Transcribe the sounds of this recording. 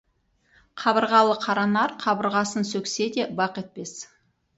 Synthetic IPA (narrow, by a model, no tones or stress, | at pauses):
qʰɑbəɾʁɑlˠəqʰɑɾɑnɑɾqʰɑbəɾʁɑsənsɵkʲse̞d̪e̞bɑqe̞t̪̚pe̞s